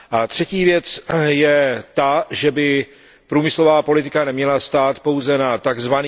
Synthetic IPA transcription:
ʔat̪r̝̥ɛciːvjɛt͡sjɛt̪aʒɛbɪ | pɾuːmɪslo̞vaːpolɪt̪ɪkanɛmɲɛlast̪aːt̪po̞wzɛnat̪aɡzvan

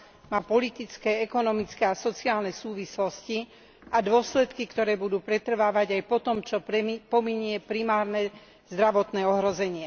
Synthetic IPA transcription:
maːpɔlit̪it͡skɛɛkɔnɔmit͡skɛasɔt͡siaːlnɛsuːʋislɔsci | ad̪ʊɔslɛt̪kikt̪ɔɾɛːbud̪uːpɾɛt̪r̩ʋaːʋaɟajpɔt̪ɔmt͡ʃɔpɔmiɲɪɛpɾimaːɾnɛ | z̥d̪ɾaʋɔt̪nɛːɔɦɾɔzɛɲɪɛ

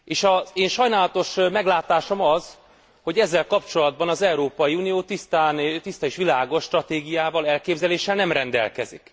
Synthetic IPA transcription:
eːʃɒzeːnʃɒjnaːlɒt̪o̞ʃmɛɡlaːt̪aːʃo̞mɒz̥ | ho̞ɟɛzːɛlkɒpt͡ʃo̞lɒd̪̚bɒnɒzɛuɾoːpɒjiunijoːt̪ist̪aːnt̪ist̪ɒeːʃʋilaːɡo̞ʃːt̪rɒt̪eːɡijaːvɒlɛlkeːbzɛleːʃːɛlnɛmrɛnd̪ɛ̰lkɛ̰zḭk

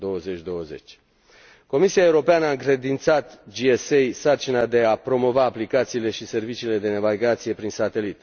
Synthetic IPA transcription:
d̪o̞wəze̞t͡ʃʲd̪o̞wəze̞̰t͡ʃʲ | ko̞misiaeuɾo̞peanəaɨŋkɾe̞d̪int̪sat̪d͡ʒiesejsart͡ʃinad̪e̞apɾo̞mo̞vaːplikat̪siːle̞ʃise̞rvit͡ʃiːle̞d̪e̞nevalɡat̪sije̞pɾinsat̪e̞lit̪

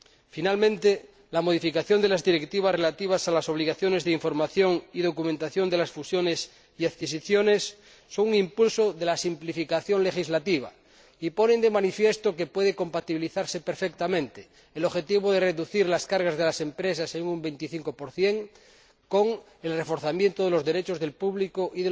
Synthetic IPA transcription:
finalmẽnt̪e | lamoð̞ifikaθjond̪elazðiɾekt̪iβ̞asrelat̪iβ̞asalaso̞β̞liɣaθjonezðeiɱfo̞ɾmaθjoŋið̞okumẽnt̪aθjond̪elasfusjones | iaðkis̬iθjonesː | oŋuŋimpulsoðelasimplifikaθjoŋle̞xizlat̪iβ̞a̰ | ipo̞nend̪emanifje̞st̪okepweð̞ekompat̪iβiliθaɾsepeɾfek̚t̪amẽnt̪e | eloβxe̞t̪iβ̞oðereðuθiɾlaskaɾɣazð̞elase̞mpɾes̬aseŋumbejnt̪iθiŋkopoɾθjeŋ | koŋ | e̞lrefo̞ɾθamjent̪oðelo̞zðe̞ɾet͡ʃozðe̞lpuβlikoʔiðe

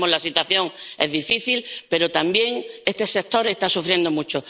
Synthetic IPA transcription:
mozlasit̪waθjõ̞ŋḛzðifiθilpe̞ɾot̪ambje̞ŋest̪ese̞k̚t̪o̞ɾe̞st̪asufɾje̞nd̪omut͡ʃo

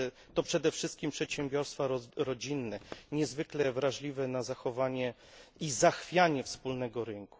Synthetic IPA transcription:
t̪ɔpʂɛd̪ɛfʂɘst̪̚kʲimpʂɛt̪ɕɛmbʲjɔɾst̪faɾɔɾɔd͡ʑinːɛɲɛzvɘklɛvɾaʐlʲivɛnazaxɔvaɲɛ | izaxfʲjaɲɛfspulnɛɡɔɾɘŋku̥

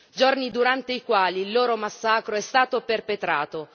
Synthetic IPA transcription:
d͡ʒornid̪uɾant̪eikwaːliːlːoːɾomasːaːkɾoɛst̪aːt̪operpet̪ɾaːt̪o

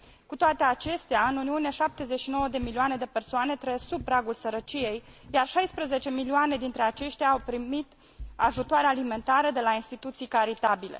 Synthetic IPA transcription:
kut̪oat̪e̞at͡ʃe̞st̪eaɨnuniunieʃap̚t̪ezet͡ʃʃino̞wəd̪e̞milioane̞d̪e̞pe̞rsoane̞t̪ɾəjest̪sub̚pɾaɡulsəɾət͡ʃije̞jjarʃajspɾəze̞t͡ʃe̞milioane̞d̪int̪ɾe̞at͡ʃe̞ʃt̪eaːwpɾimit̪ | aʒut̪oaɾealime̞nt̪aɾəd̪e̞lainst̪it̪ut̪sijkaɾit̪abilḛ

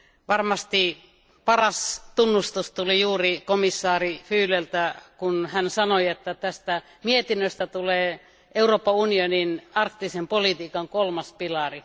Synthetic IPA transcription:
ʋɑrmɑst̪i | pɑrɑst̪unːust̪ust̪ulijuːrikomisːɑːrifyːlelt̪ækunhænsɑnoiet̪ːæt̪æst̪æ | miet̪inːøst̪æt̪uleː | ʔeuroːpːɑunioninɑrkt̪isempolit̪iːkɑŋkolmɑspilɑri

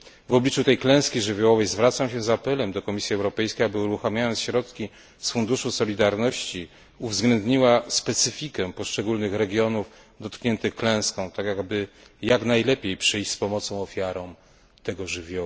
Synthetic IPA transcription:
vɔblʲit͡ʂut̪ɛjklɛ̃skʲiʐɘvʲjɔwɔvɛjzvɾat̪samɕɛzapɛlɛmd̪ɔkɔmʲisʲjiɛwɾɔpɛjskʲejabɘuɾuxamʲjajɔnt̪ɕɾɔt̪kʲi | sfund̪uʂusɔlʲid̪aɾnɔɕt͡ɕi | uvzɡlɛnd̪ɲiwaspɛt̪sɘfʲikɛpɔʂt͡ʂɛɡulnɘxɾɛɡʲjɔnuf | d̪ɔt̪kɲɛnt̪ɘxklɛ̃w̃skɔ̃w̃t̪akʲjaɡbɘjaknajlɛpʲjejpʂɘjɕt͡ɕspɔmɔt̪sɔ̃w̃ɔfʲjaɾɔ̃w̃ | t̪ɛɡɔʐɘvʲjɔwa

